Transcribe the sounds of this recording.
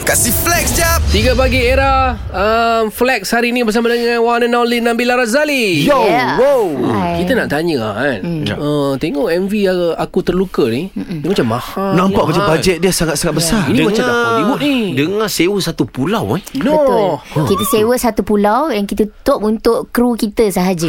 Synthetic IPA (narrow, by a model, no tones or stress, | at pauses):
kasiflɛk̚sd͡ʒap̚t̪iɡəpaɡieɾa | əmflɛk̚shaɾinibərsamadəŋãnwanə̃nalinːãmbilaɾazalijowowkit̪ənaʔt̪aɲəa̰anət̪eŋɔʔɛmviaakut̪ərlukənidəmat͡ʃamːahanãmpaʔbad͡ʒɛbad͡ʒɛt̪̚diasaŋat̪̚saŋat̪̚bəsariniəmaŋt͡ʃamaibuʔnidəŋasewəsat̪upulawanobəkit̪əsewəʔsat̪upulawjaŋkit̪ət̪opunt̪ʊʔkɾukit̪əsəɦad͡ʒə